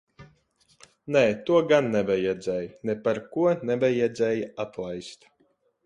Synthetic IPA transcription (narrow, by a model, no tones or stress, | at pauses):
nɛːt̪uɔɡanːɛvajɛd̪zɛːjnepaɾkuɔnɛvajɛd̪zɛːjat̪lˠajst̪